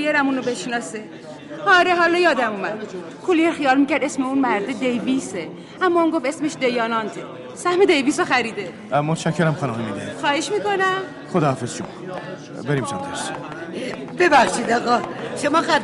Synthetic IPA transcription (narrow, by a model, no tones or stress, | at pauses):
ijeɾæmuːnobeʃnɒːse | ɒɾeɦɒːlɒjɒːd̪æmumæd̪ | kʰulijeɾxijɒːlmiːcæɾd̪esmeunmæɾd̪ed̪ejviːse | æmːɒːunɡofesmeʃd̪ejɒːnɒːnt̪ʰe | sæhmed̪ejviːsoxæɾiːd̪e | mot̪ʃæcʰːeɾæmxɑnɔɦemid̪exɒːheʃmiːkonæm | xod̪ɒːhafezʃomɒ | beɾimt͡ʃʰand̪æʃsi̥ | b̥ebæxʃid̪ɒɣɒʃomɒːxæ